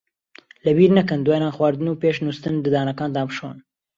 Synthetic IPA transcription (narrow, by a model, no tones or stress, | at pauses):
lɐbiːɾnɐkɨnd̪waːjnaːxwɑːɾd̪ɨnuːpeːʃnust̪ɨnd̪ɨd̪ɑːnɐkɑːnd̪ɑːmɨʃo̰n